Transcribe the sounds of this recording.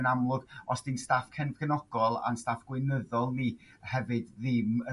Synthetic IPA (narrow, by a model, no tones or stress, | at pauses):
namlˠʊɡ̥ɔsd̥instaːfkʰɛnvɡ̥ənɔɡ̥ɔlˠa̰nstaːfɡ̥wɪnəðɔlˠnihɛvɨdðɪmə